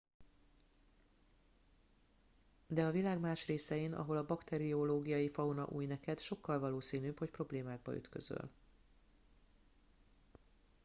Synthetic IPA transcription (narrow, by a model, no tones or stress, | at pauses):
d̪ɛɒvilaːɡmaːʃreːsɛjenʔɒ̰ɦo̞lɒbɒkt̪ɛɾioloːɡijɒjifɒwnɒ̰ʔuːjnɛkɛd̪ʃo̞kːɒlvɒloːsiːnyːpho̞cpro̞bleːmaːɡ̚bɒ̰y̰t̪kø̞̰zø̰l